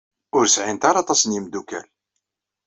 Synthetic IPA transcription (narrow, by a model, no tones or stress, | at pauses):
ʊɾsʕint̪aɾɑt̪ˤɑsənjimd̪ukæ̰l